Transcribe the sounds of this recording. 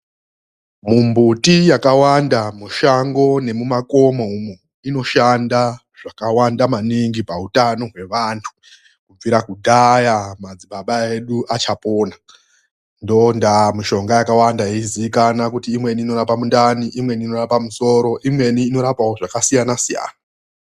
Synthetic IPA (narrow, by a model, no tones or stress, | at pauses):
mumbutijakawandamuʃaŋɡo̞ne̞mumako̞moumo | ino̞ʃanda | ʐ̥akawandamaniŋɡipautano̞ɦwe̞ʋantʰu̥ | kub͡viɾakudʱajamad͡ziɓaɓaeɗuʔat͡ʃapo̞ːna | ndo̞ndamiʃo̞ŋɡajakawandaiiziʋikanakutiːmwe̞niːno̞ɾapamundaniʔimwe̞niːno̞ɾapamuso̞ɾo̞ʔimwe̞niːno̞ɾapawoʐakasijanasija̰ːna